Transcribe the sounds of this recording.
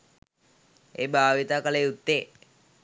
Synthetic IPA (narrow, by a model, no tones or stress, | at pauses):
ḛbaːʋit̪aːkəleut̪ːe